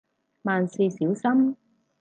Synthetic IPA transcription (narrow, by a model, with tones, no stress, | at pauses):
maː˨nsi˧siː˨˥wsɐ˥m